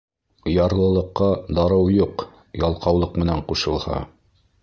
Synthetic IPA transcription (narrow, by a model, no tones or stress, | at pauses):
jɑɾlˠɤ̆lˠɤ̆qːɑd̪ɑɾɤwjuq | jɑlˠqɑwlˠɤqmɘ̆næɴquʃɤ̆lˠhɑ̰